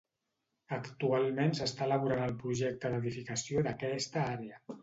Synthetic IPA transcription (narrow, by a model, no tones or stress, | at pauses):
əkt̪ualˠmensəst̪aləβuɾanəlˠpɾuʒɛk̚t̪əðəðifikəsiod̪əkɛst̪əaɾeə